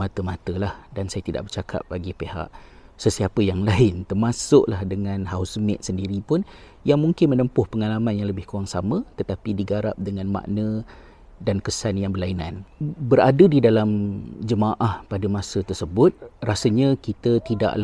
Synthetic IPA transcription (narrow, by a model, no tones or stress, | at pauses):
mat̪əmat̪əlahdansajat̪ida̰ʔ̚bərt͡ʃakʰa̰p̚baɡipeɦa̰ʔsəsiapəjaŋlaɪnt̪ərmasʊʔlahdəŋanɦaʊsmɛ̰ʔ̪̚səndiɾipʊn | jaŋmuŋkɪnmənəmpʊhpəŋalamanjaŋləbɪhkuaŋsamə̃t̪ət̪apidiɡaɾa̰p̚dəŋanma̰ʔnə | dankəsanjaŋbərlaina̰nbəɾadədidalamd͡ʒəmaʔahpadəmasət̪ərsəbʊt̪̚rasəɲakit̪ət̪ida̰ʔla